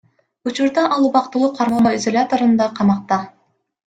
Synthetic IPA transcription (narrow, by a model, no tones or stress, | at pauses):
ut͡ʃuɾd̪ɑʔɑlˠuβɑqt̪ulˠuqʰɑɾmɑmoizolʲat̪oɾɯnd̪ɑqʰɑmɑq̚t̪ɑ